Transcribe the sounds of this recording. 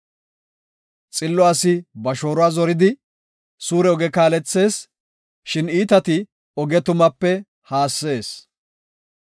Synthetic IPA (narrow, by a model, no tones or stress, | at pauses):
t͡sʼɪlːɔasɪbɐʃo̞ːɾʊaːzɔɾɪd̪ɪ | suːɾɛɔɡɛkaːlɛt͡sːe̞ːs | ʃɪniːt̪ɐt̪ɪ | ɔɡɛt̪ʊmɐpːɛ | haːsːe̞ːs